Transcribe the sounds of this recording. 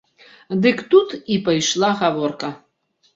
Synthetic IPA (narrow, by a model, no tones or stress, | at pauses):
d̪ɨkt̪ut̪ipɐjʃlˠaɣaʋɔrkɐ